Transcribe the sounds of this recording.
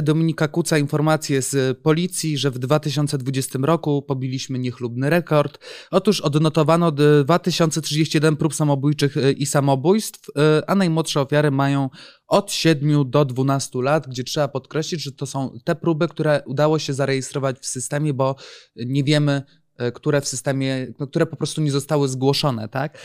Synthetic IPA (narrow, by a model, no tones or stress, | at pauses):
d̪ɔmʲiɲikakut̪sainfɔɾmat̪sʲjɛzpɔlʲit̪sʲjiʐɛvd̪vat̪ɘɕ̬ɔnt̪sɛd̪vud͡ʑɛst̪ɘmɾɔkupɔbʲilʲiɕmɘɲɛxlubnɘɾɛkɔɾt̪ɔt̪uʂɔd̪nɔt̪ɔvanɔd̪vat̪ɘɕɔnt̪sɛtʂɨd͡ʑeɕt͡ɕijɛd̪ɛnpɾupsamɔbujt͡ʂɘxisamɔbujst̪fanajmwɔt̪ʂɛɔfʲjaɾɘmajɔ̃w̃ | ɔt̪ɕɛd̪mʲjud̪ɔd̪vunast̪ulat̪ɡd͡ʑɛtʂɛbapɔt̪kɾɛɕlʲid͡ʑʐɛt̪ɔsɔ̃w̃t̪ɛpɾubɘkt̪uɾɛʔud̪awɔɕɛzaɾɛjɛst̪ɾɔvat͡ɕfsɘst̪ɛmʲjɛbɔɲɛvʲjɛmɘ | kt̪uɾɛfsɘst̪ɛmʲjɛkt̪uɾɛpɔpɾɔst̪uɲɛzɔst̪awɘzɡwɔʂɔn̪ɛ̰t̪ak